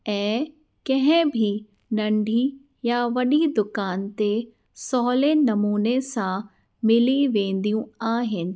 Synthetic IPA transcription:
ɛ̃ː | kɐ̃ɦɪ̃bʱi | nɐ̃ɳɖʱi | jaʋɐɗid̪ʊkaːnt̪e | sɔːlenɐmuːnesã | mɪliʋẽːn̆d̪ijũaːɦɪnɪ̆

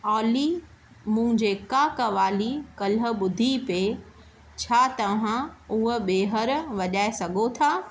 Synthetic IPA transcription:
aːli | mʊ̃ɦɪ̃ɲd͡ʑeːkaːkɐʋaːlikɐlə̆ɓʊd̪ʱipe | t͡ɕʰaːt̪ɐʋ̤ãʊɦʊɓeːɦəɾʋɐʄaːesɐɡʱot̪ʰaː

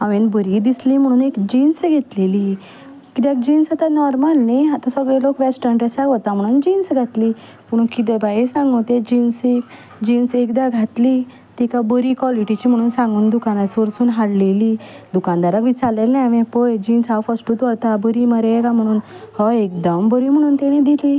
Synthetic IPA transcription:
ãʋẽnbəɾid̪islim̤əɽ̃uːnekd͡ʑinsɡʱet̪leli | kit̪ak̚d͡ʑiːnsat̪anɔɾmalnajɦat̪ãsəɡɭelokʋɛsʈəɳʈəsaɦɔt̪am̤əɽ̃uːnd͡ʑinsɡʱat̪liː | m̤əɽ̃uːnkit̪ɛbajisãŋɡõt̪ed͡ʑinsek | d͡ʑiːnsekd̪aɡʱat̪li | t̪ikabəɾikʋɔliʈit͡ɕiːm̤əɽ̃uːnsãŋɡuːnd̪ukanasʋəɾsuːnɦaɽleli | d̪ukãnd̪aɾakʋit͡saɾlelnajʋẽpojd͡ʑiːnsawfəsʈuːt̪ʋət̪abəɾiməɾekam̤əɽ̃uːnhəek̚d̪əmbəɾim̤əɽ̃uːnt̪eɽ̃ĩd̪ili

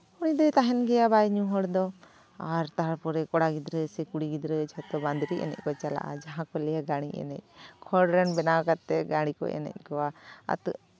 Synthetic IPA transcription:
uɽ̃id̪ɔt̪aɦɛnɡɛjabajɲũɦɔɽd̪ɔ | aɾt̪aɦaɾpɔɾɛkɔɽaɡid̪ɾəsɛkuɽiɡid̪ɾət͡ʃʰat̪ɔband̪ɾiʔɛ̰nɛ̰c̚ˀkɔt͡ʃala̰ʔa̰d͡ʒaɦãkɔlɛjaɡaɽ̃iɛ̰nɛ̰c̚ˀkʰɔɽɾɛnbɛnakat̪ːɛɡaɽ̃ikɔ̰ʔɛ̰nɛ̰c̚ˀkɔwaa̰t̪

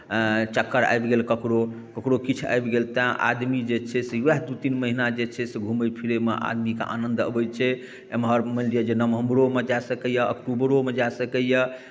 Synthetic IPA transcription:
t͡ʃəkːəɾa̰jbɡelkəkɾo | kəkɾokit͡ʃʰa̰jbɡelt̪aʔa̰d̪mid͡ʒet͡ʃʰɛsewɛɦd̪ut̪inməɦinad͡ʒet͡ʃʰɛseɡʱuməjpʰiɾemeʔa̰d̪mika̰ʔa̰nənd̪ə̰bət͡ʃʰɛ | emɦəɾməlɖijad͡ʒenəmɦəmɾomed͡ʒasəkəjəə̰kʈubɾomed͡ʒasəkəjə

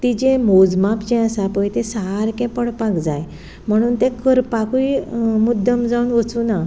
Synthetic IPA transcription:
t̪id͡ʑẽmod͡zmapd͡ʑɛ̃əsapəjt̪esaɾkɛ̃pəɽpakd͡zaj | m̤əɽ̃uːnt̪ɛ̃kəɾpakuimud̪ʱːəmd͡zaunʋət͡suːna

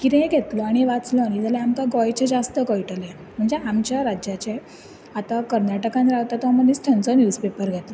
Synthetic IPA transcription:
kit̪ɛ̃ɡʱet̪lɔaɽ̃iʋat͡slɔaɽ̃id͡zʱalɛamk̪aɡɔjt͡ɕed͡zast̪əkəjʈəlan | m̤əɳd͡zeamt͡ɕjaɾad͡ʑjat͡ɕe | at̪akəɾnaʈəkãnɾaʋt̪at̪amənit͡sʈ̪ʰant͡sɔnjuːspepəɾɡʱet̪lɔ

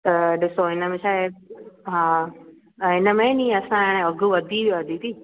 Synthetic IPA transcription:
t̪ɐɗɪsoɦɪnəmẽʃaːɦeɦãː | ɦɪnəmẽnĩːɐsãɽ̃ẽɐɡʱuʋɐd̪ʱiiɐd̪ʱit̪ʰiː

